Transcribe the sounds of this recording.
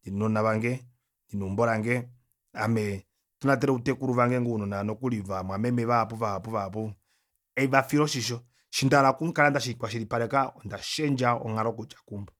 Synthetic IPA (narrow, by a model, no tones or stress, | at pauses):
ninɔnaβaŋɡɛ | ninumbɔɾaŋɡɛ | amɛ | tunat̬ɛɾɛutɛkuɾuvaŋɡɛŋɡɔunɔnanɔkulivamwamɛmɛβapuvapuvapu | ɛvafiɾɔʃiʃɔ | ʃindaɾakuŋkalandaʃ̬ikwaʃ̬iɾipaɾɛkaɔndaʃɛnd͡ʒaɔ̰ŋaɾɔkut͡ʃḁkumbɔ